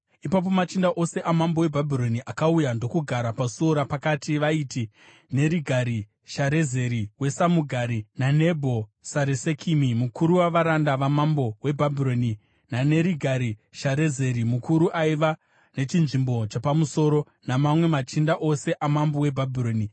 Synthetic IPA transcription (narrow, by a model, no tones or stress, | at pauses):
ipap̬o̞mat͡ʃindaʔo̞se̞ʔamambowe̞bʱabʱiɾo̞niʔakaujando̞kuɡʱaɾapasuoɾapakatiʋaiti | ne̞ɾiɡʱaɾi | ʃaɾe̞ze̞ɾiwe̞samuɡʱaɾinane̞bʱo̞saɾese̞kʰimimukuɾuwaʋaɾandaʋamambo̞we̞bʱabʱiɾo̞ni | nane̞ɾiɡʱaɾiʃaɾe̞ze̞ɾimukuɾuʔaiʋa | ne̞t͡ʃinʐimbo̞t͡ʃapamuso̞ːɾo̞ | namamwe̞mat͡ʃindaʔo̞se̞ʔamambowe̞bʱabʱiro̞ːni